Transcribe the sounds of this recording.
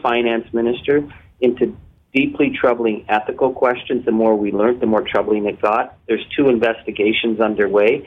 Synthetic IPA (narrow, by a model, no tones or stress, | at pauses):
fãɪ̃næ̃nsmɪ̃nɨstə˞z | ɪ̃ntʰʉ | d̥ipʰlitʰɹ̥ʌbl̩ˠɪ̃ŋɛθɨkl̩ˠkʰw̥ɛst͡ʃɨ̃nzðəmɔɹwilɜ̃˞nðəmɔɹtʰɹ̥ʌbl̩ˠɪ̃ŋɨt̚ɡ̥ɑt̪̚ðə˞z̥tʰuɨ̃ɱvɛstɨɡeɪʃɨ̃nzʌ̃ndə˞weɪ